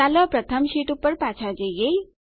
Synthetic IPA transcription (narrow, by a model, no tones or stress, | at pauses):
alʌpɾʌt̪ʰəmsiʈupːəɾpat͡sʰad͡zejej